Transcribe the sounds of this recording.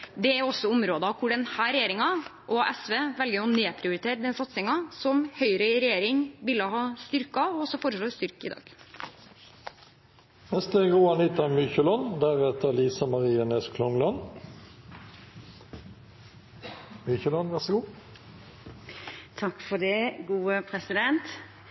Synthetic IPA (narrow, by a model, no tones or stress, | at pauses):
d̪ɛæɾɔsːɔʊmɾoːd̪əɑkʰʊɖɛnhæːɾɛjeːɾɪŋɑʔɔʔɛsʋeːʋɛlɡəɾɔneːpʰɾɪʊɾɪt̪ʰeːɾd̪ɛnsɑt̪sɪŋɑsɔmhœʏɾəɪɾɛjeːɾɪŋʋɪlːəhɑːst̪ʏɾkɑɔɔsɔfɔːɾəʂloːst̪ʏɾkɪ̰d̪ɑ̰ːɡ̥ | nɛst̪əʁuːɑniːt̪ɑmyçəlɔnd̪æʁɛt̪əliːsɑmɑʁiːəneːskʰlɔŋlɑn | myːçəlɔnʋæʁsəɡuː | t̪ʰɑkfɔɖ̪ɛɡuːəpʰɾɛsɪd̪ɛnt̪